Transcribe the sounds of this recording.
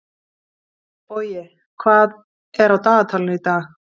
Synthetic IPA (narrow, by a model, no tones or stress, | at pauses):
pɔjɪ | kʰvaːð | ɛɾawt̪aːt̪ʰalɪnʏit̪a